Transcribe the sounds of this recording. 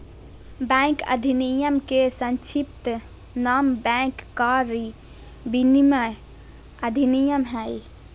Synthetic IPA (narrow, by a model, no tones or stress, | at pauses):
bɛ̃kə̰d̪ʱinijəmkesə̃nt͡ʃʰip̚t̪ | nambɛ̃kːaɾi | binimə | əd̪ʱinijəmɦɛj